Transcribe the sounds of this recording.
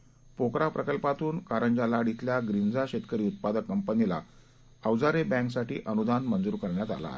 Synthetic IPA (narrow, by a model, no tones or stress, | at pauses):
pokɾapɾəkəlpat̪uːnkaɾəɲd͡ʑalaɽit̪ljaɡɾind͡zaɕet̪kəɾiːut̪̚pad̪əkːəmpənila̰ | əʋd͡zaɾebæ̃ŋksaʈḭːʔənud̪anmənd͡zuːɾkəɾɳjat̪a̰la̰e